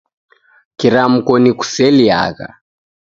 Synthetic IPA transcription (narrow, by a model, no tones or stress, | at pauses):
kiɾam̩kɔniku̥sɛlia̰ɣa̰